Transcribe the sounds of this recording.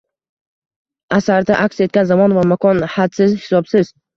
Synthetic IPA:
asaɾd̪aʔakʲse̞t̪̚kʲanzamɒnvamakʰɒnhat̪sɪzhɪ̥sɒbsɪz

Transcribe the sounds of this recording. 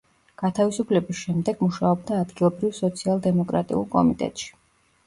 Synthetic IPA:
ɡ̥at̪ʰavisupʰlɛbisʃɛmd̪ɛɡ̥muʃaɔb̚d̪aːd̪ɡilˠɔbɾivsɔt̪sʰialˠd̪ɛmɔkʼɾa̰t̪ʼḭṵlˠkʼɔ̰mit̪ʼɛ̰t̪ʼʃi̥

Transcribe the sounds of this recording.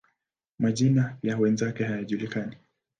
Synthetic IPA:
maʄinajawɛnzakɛhajaʄulikani

